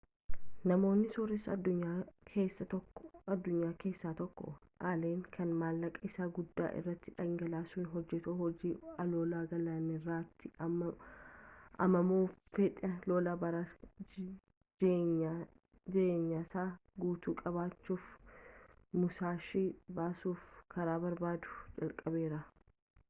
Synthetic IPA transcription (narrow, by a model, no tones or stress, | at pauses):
nɐmo̞ːnːɪsɔɾɪsɐɐd̪ːʊɲːaːkʰeːsːɐt̪ɔkːɐd̪ːʊɲːaːke̞ːsːaːt̪ɔkːɔ̰ | ʔaːleːŋkʰɐnmaːlːɐkʼɐɪsaːɡʊd̪ːa̰ːʔɪ̰rːɐt̪ːɪᶑɐŋɡɐlaːsʊnɦɔd͡ʒːɛt̪oːhɔd͡ʒiːɐloːlaːɡɐlaːnɪrːaːt̪ʰːɪ | ʔɐ̰mɐmoːffɛᶑʼɐloːlaːbɐɾaː | d͡ʒeːɲːa | d͡ʒeːɲːaːsaːɡuːt̪uːkʼɐβaːt͡ʃːuːf | mʊsaːʃiːbaːsuːfkɐɾaːbɐɾbaːd̪ʊ̥d͡ʒɐlkʼɐbe̞ːɾɐ